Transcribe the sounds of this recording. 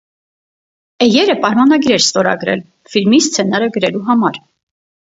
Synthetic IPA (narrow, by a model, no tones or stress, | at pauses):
ɛjɛɾəpɑɾmɑnɑɡiɾɛɾst̪ɔɾɑ̰ɡɾɛ̰l | filmist͡sʰɛnɑɾəɡəɾɛluɦɑmɑɾ